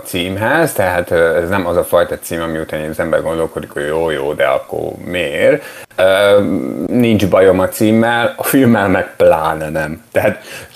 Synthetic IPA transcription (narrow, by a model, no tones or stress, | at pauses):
t̪siːmɦɛzt̪ɛɦaːt̪øːɛznɛmɒzɒfɒjt̪ɒt̪siːmɒmiut̪aːniɒzɛmbɛ̰rɡo̞nd̪o̞lko̞d̪ikhoɟjoːjoːd̪ɛ̰ɒ̰kːo̰rmeːr | øː | nind͡ʒbɒjo̞mɒt̪siːmːɛlɒfilmːɛlmɛk̚plaːnɛnɛmt̪ɛɦat̪